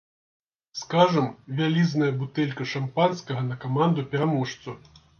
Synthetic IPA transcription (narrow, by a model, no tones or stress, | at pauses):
skaʐɐmvʲalʲiznɐjɐbut̪ɛlʲkɐʂampanskɐɣɐnɐkamand̪upʲɛɾamuʂt̪su